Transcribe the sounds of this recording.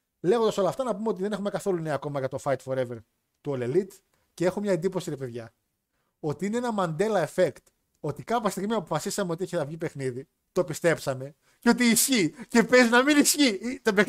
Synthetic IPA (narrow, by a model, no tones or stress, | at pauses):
leɣond̪ɐso̞lɐːft̪ɐnɐpumeot̪iðe̞ne̞xume̞kɐθo̞luneɐːko̞mɐʝɐt̪ofɐjt̪fo̞ɾe̞veɾ | t̪uolelit̪ | ce̞e̞xomɲɐend̪ipo̞siɾepeðʝɐ | o̞t̪iine̞enɐmɐnd̪e̞lɐefe̞kt̪ | o̞t̪ikɐpɐst̪iɣmiɐpo̞fɐsisɐmeo̞t̪ieçiθɐvʝipe̞xniði | t̪o̞pist̪e̞psɐme̞ | ceo̞t̪̬iːsçice̞pezinɐminisçit̪ebe